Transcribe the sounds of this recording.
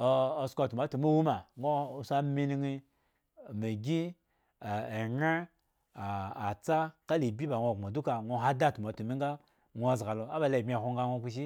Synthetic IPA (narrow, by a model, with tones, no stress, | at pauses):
o˨skʷa˨tu˨ma˨˦tu˨mi˦wu˦ma˨ŋo˦˨sa˦mi˦ni˦ŋi˦˨ | me˨ɡʲi˦˨ | e˨na˦ | aː˨t͡sa˦ka˦li˨bʲi˦ba˨ŋʷ˦˨a˨du˦ka˨ŋʷo˦ɦa˦da˦˨tu˨ma˨tu˨mi˦ŋɡa˦ | ŋʷo˦a˨zɡa˨lo˨a˦ba˨la˨i˨bʲi˦a˨ho˧ŋɡa˦ŋʷo˦ku˧˦ʃ̬i˦